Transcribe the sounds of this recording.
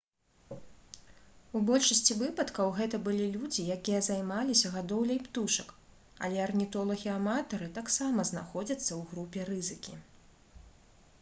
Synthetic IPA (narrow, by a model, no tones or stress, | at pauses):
ubɔlʲʂɐsʲt͡sʲivɨpɐt̪kɐwɣɛt̪ɐbɨlʲilʲud͡zʲijakʲijɐzajmalʲisʲɐɣad̪ɔwlʲɐjpt̪uʂɐk | ɐ̰lʲɛɐrnʲit̪ɔlˠɐɣʲiamat̪ɐɾɨt̪aksamɐznaxɔd͡zʲɐt̪sːɐwɣɾupʲɛrɨzɨkʲḭ